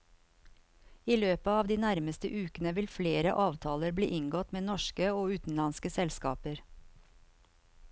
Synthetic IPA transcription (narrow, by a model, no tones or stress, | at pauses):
iːløːpəɑːʋd̪iːnæɾməst̪ə̰ʔʉːkənəʋɪlfleːɾəʔɑːʋt̪ʰɑːləɾblḭːʔɪŋɡɔt̪meːnɔʃkəoːʉːt̪n̩lɑnskəsɛlskɑ̰ːpəɾ